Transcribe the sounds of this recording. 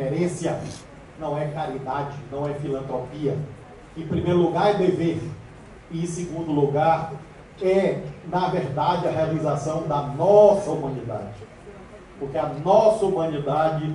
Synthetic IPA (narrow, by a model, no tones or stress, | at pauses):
eɾẽsjɐ | nɐ̃w̃ɛkaɾid̪ad͡ʒɪnɐ̃w̃ɛfilɐ̃nt̪ɾopiɐ | ẽpɾimejɾʊluɡaɾd̪eveɾ | ĩseɡũnd̪ʊluɡaɾ | ɛnɐveɾd̪ad͡ʒɪɐɦealizasɐ̃w̃d̪ɐnɔsɐumɐ̃nid̪a̰d͡ʒɪ | pʊɾkeɐnɔsɐumɐ̃nid̪ad͡ʒɪ